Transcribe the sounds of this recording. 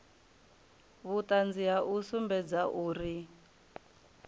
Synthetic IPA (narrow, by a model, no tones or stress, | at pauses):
βutand͡ziaʔusumbɛd͡zaʔuːri